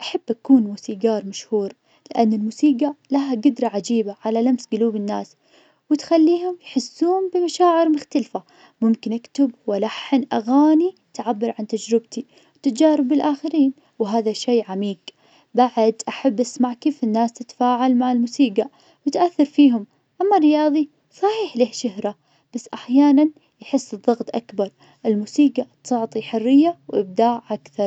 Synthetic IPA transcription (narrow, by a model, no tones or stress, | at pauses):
ʔaħabːʔakuːnmuːsiːɡɑːɾˤmaʃhuːɾ | lɪʔanːɪlmuːsiːɡalaɦaɡʊd̪ɾˤɑʕad͡ʒiːbaʕalalamsɡʊluːbɪnːaːs | wɪt̪xalːiːɦʊmjħɪsːuːʊmbɪmaʃaːʕɪɾmʊxt̪alfa | mʊmkɪnʔakt̪ɪbwɪlaħɪnʔaɣaːnit̪ʕabːɪɾˤʕant̪ad͡ʒɾɪbt̪i | wt̪ɪt̪d͡ʒaːɾˤɪbːɪlʔaːxɪɾiːn | wɦaːðaʃeːʕamiːɡ | baʕd̪ʔaħabːʔasmaʕkiːfɪnːaːst̪ɪt̪faːʕalmaʕɪlmʊːsiːɡa | wɪt̪ʔaθːɑɾˤfiːɦʊm | ʔamːaɾɪjɑːðˤi | sˤɑħiːħlɪːhʃɪɦɾa | b̥asːʔaħjaːnan | jħɪsːɨðˤːɑɣt̪ˤʔakbɑɾˤ | ʔɪlmuːsiːɡat̪ʊʕt̪ˤiħʊrːɪjːawʔɪb̚d̪aːʕʔakθɑɾˤ